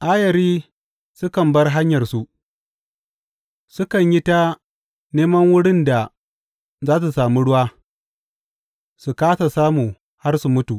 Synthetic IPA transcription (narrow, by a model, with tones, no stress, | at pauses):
ʔaː˦jɐ˨ɾiː˦ | sʊ˦kɐ˨mbɐ˦rɦa˦ɲjɐ˨rsu˦ʔ | sʊ˦kɐ˨ɲji˦ta˦ | neː˦mɐ˦ŋwʊ˦ɽɪ˦nda˨ | zaː˦s̬u˨saː˨mi˦ɽʊ˦waː˦ | su˨kaː˦sa˨saː˦muː˨ | ha˦rsu˨mʊ˦tu˨ʔ